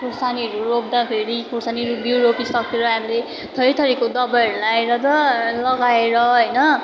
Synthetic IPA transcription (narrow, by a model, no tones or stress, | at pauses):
kursaniɦʌɾurob̚d̪apʰeɾikursaniʌɾubjuɾopisʌkeɾʌɦamile | t̪ʰʌɾit̪ʰʌɾikod̪ʌbajʌɾulaeɾʌt̪ʌlʌɡaeɾʌɦʌjnʌ